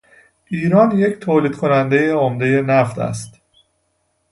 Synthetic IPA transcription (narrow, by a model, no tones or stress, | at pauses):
ʔiːɾɒːnje̞ct̪ʰoːliːd̪̥kʰo̞nænd̪e̞jeomd̪e̞je̞næft̪æ̰st̪